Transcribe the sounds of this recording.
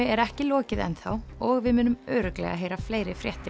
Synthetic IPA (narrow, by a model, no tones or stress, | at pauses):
ɛɾɛhcɪlɔːcɪðɛ̰nθaw | ɔɣvɪðmʏːnʏmœɥɾʏklɛ̰ɣa̰ɦeːjɾafleːjɾɪfɾjɛht̪ɪ